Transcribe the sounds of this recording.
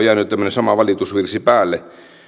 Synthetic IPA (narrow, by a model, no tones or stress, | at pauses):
jæːnyt̪æmːønesɑmɑʋɑlit̪usʋirsipæːlːe